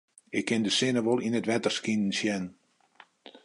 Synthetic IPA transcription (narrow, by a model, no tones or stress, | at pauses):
ɪkʰːɪndəsɪnəʋolˠinətʋɛtərskinn̩sjɛn